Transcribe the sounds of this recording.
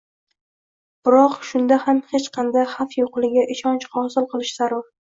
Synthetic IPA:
b̥ɪɾɒqʃʊnd̪ahamhet͡ʃqʰɑnd̪ajhafjoqlˠɪɡʲaʔɪʃɒnt͡ʃχɒsɪlˠqʰɨlˠɪʃz̥aɾɒɾ

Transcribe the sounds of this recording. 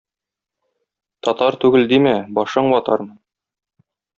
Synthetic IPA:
t̪ɒt̪ɑɾt̪ʉɡɘld̪imæbɒʃɤɴwɒt̪ɑ̰ɾmɤn

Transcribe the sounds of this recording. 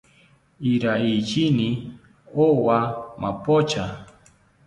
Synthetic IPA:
iɾait͡ʃini | owama̰pot͡ʃa

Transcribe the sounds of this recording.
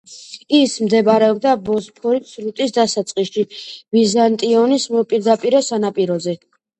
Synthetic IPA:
ismd̪ɛbaɾɛɔb̚d̪abɔzpʰɔɾit̪sɾut̪ʼisd̪asat̪sʼqʼisʃivizant̪ʼiɔnismpʼiɾd̪apʼiɾɔsanapʼiɾɔzɛ

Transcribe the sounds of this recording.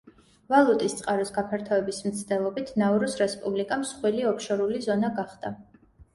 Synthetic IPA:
valˠut̪ʼist̪sʼqʼaɾɔsɡapʰɛɾt̪ʰaɛbismt̪sʰd̪ɛlˠɔbit̪ʰnauɾusɾɛspʼublikʼamsχwiliɔpʰʃɔɾulizɔnaɡaχd̪̥a

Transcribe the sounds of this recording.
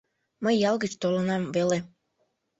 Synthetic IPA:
məjːɑlˠɡət͡ɕt̪olɤnɑmvele

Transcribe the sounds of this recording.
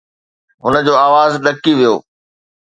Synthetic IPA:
ɦʊnəd͡ʑoːaːʋaːzɗɐkiʋijo̰ː

